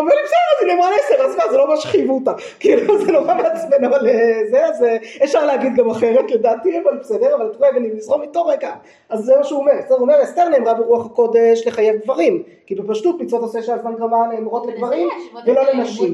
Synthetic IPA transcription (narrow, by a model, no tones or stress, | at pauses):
omelibsedeʁazinemʁaleeseʁazmazelo̞maʃe̥χivuta | kiiluzenoʁameat͡smenavalezeaze | efʃaʁleaɡid̪ɡamaχe̞ʁetledaːt̪ievalibsed̪eʁavalt̪oʁeveninizʁomit̪oʁekan | azːemaʃeuomeʁsɛdeomeest̪eʁneːmʁabeʁuaχako̞d̪eʃle̞χaje̞vdvaʁim | kibepaʃtut̪mit͡so̞t̪oseʃeazmanɡʁamaneːmʁo̞tleɡvaʁimvelo̞lenaʃim